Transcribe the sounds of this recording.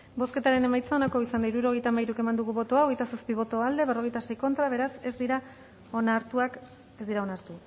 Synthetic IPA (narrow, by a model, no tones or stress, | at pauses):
bo̞ske̞t̪aɾe̞ne̞majt͡sao̞nako̞isand̪aiɾuɾo̞ɣ̞e̞jt̪amajɾuke̞mand̪uɣuβo̞t̪o̞ao̞ɣ̞ejt̪asaspiβ̞o̞t̪o̞ald̪e̞βero̞ɣ̞jt̪ase̞jko̞nt̪ɾaβe̞ɾase̞zd̪iɾa | onaɾt̪uak | e̞zd̪iɾao̞naɾt̪u